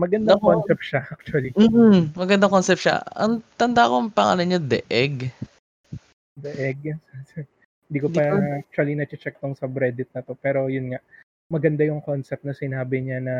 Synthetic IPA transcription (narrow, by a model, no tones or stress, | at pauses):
mɐɡɐnd̪aŋkonsɛp̚t̪ʃaʔak̚t͡ʃuɐlim̩ːmɐɡɐnd̪ɐŋkonsɛp̚ʃa̰ɐ̰ŋt̪ɐnd̪aʔɐkoŋpɐŋʔa̰lɐɲod̪ɛ̰ʔɛɡ | d̪ɛʔɛɡ̚ɐsɐɛ | ɪnd̪iːkodpaak̚t͡ʃʊɐlinɐt͡ʃɪt͡ʃɛk̚t̪oŋsɐbɾɛd̪ɪt̪̚nɐt̪o̞pɛːɾo̞jʊnŋaʔ | mɐɡɐnd̪ajʊŋkonsɛp̪̚nɐsɪnaːbɪɲanɐ